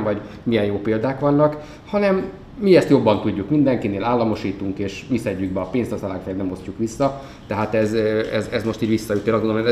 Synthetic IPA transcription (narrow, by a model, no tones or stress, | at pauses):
vɒɟ | mijɛjoːpeːld̪aːkʋɒnːɒk | hɒnɛmː | iɛst̪jo̞bːɒnt̪uɟːukmind̪ɛŋkineːlaːlːɒmo̞ʃiːt̪uŋkeːʃmisɛɟːyɡ̚bɛɒpeːnst̪ɒzɒlaːkfɛjɛnɛmo̞scukʋisːɒ | t̪ɛɦaːt̪ɛzɛzɛzmo̞ʃt̪iːɟʋisːɒjut̪ːelzɡonolm